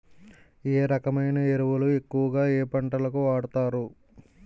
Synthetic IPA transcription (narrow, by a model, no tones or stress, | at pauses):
eːɾɐkɐmɐjnɐe̞ɾuʋɐlue̞kːuʋɐɡaːeːpɐɳʈɐlɐkuʋaːɽɐt̪aːɾu